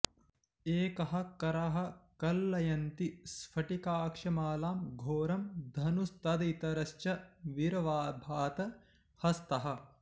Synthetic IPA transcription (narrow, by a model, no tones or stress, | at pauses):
eːkɐɦɐ̆kɐɾaɦɐ̆kɐlːɐjɐnt̪isfʰɐʈikaːkʂɐmaːlaːmɡʱoːɾɐmd̪ʱɐnust̪ɐd̪ɐit̪ɐɾɐʃt͡ʃɐʋiɾɐʋaːbʱaːt̪ɐ | hɐst̪ɐɦɐ̆